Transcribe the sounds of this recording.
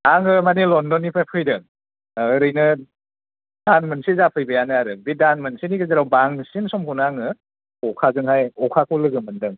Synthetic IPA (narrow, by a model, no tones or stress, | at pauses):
aŋɯmanelɔndɔnipʰajpʰɯjdɯŋː | ɾɯjnɯ | danmɯnsezapʰɯjbɯjanɯaɾɯbidanmɯnsenikʰɯzaɾawbaŋsinsɔmɦɯnaŋɯ | ɔkʰazɯŋhajɔkʰakʰɔlɯɡɯmɯndɯŋ